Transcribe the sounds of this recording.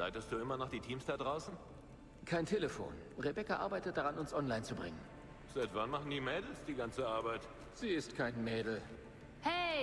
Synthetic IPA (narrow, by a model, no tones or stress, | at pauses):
la̰ɪtəst̚d̥uːɪmɐnaχd̥iːtʰiːmsd̥adʁaʊsn̩ | kʰaɪntʰeːləfo̰ːn | ʁebɛkaʔa̰ɐbaɪtət̚d̥aʁanʊnsʔɔnlaɪnt͡subʁɪŋən | z̥aɪtv̥anmaχn̩diːmɛːdl̩sd̥iːɡant͡səaɐbaɪt | z̥iːɪstkʰaɪnmɛːdl̩ | hɛ